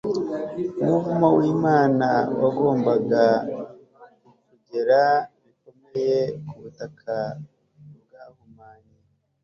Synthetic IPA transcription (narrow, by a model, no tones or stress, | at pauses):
umuvumawiːmaːnawaɡo̞ːmbaɡa | kuɟe̞ɾamikomejekuβutakʰa | βɡaːhumaːɲi